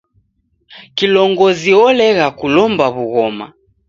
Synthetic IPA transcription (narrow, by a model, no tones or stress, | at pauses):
kilɔŋɡɔziɔlɛɣakulɔmbaβuɣɔma̰